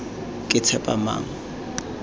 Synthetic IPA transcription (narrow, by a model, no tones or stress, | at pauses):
kʼɪt͡sʰɛpʼa̰ma̰ːŋ̩